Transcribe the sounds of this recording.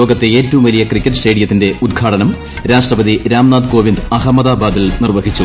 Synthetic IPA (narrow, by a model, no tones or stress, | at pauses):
o̞ːɡɐt̪ːe̞eːtːɐʋumʋɐlijɐkrikʲːeʈsʈe̞ːɽijɐt̪ːinde̞ud̪ɡʰʱaːʈɐnɐm | ɾaːʂʈrɐbɐðiɾaːmnaːd̪ko̞ːʋind̪ɐɦɐmɐd̪aːbaːd̪ilnirʋɐɡʱit͡ɕːu